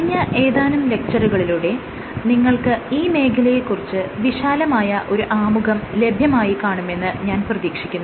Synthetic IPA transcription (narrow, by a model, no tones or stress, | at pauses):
ɐɐɲːɐʔe̞ːðaːnɐmle̞k̚t͡ɕɐruɣɐɭiluːɽe̞ | niŋːɐɭkɨiːme̞ːkʰɐlɐjekːurit͡ɕːɨʋiɕaːlɐmaːjɐʔo̞ɾuʔaːmuɣɐmle̞bʱjɐmaːjikaːɳume̞nːɨɲaːnprɐðiːkʂikʲːunːu